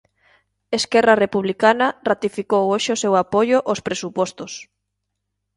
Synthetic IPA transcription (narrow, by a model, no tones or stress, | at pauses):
eskɛrarepuβlikanɐrat̪ifikowoʃeosewapojoʔospɾesupɔst̪os